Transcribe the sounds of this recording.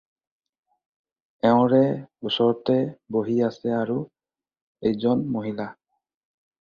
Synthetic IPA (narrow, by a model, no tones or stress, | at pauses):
ɛʊ̃ɹɛbusɔɹtɛboɦiasɛaɹu | ejzɔnmoɦila